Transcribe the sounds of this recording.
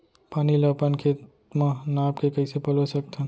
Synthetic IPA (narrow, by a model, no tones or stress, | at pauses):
paːniləpənkʰet̪ | mãnaːpkekəɪsepəlosək̚t̪ʰãn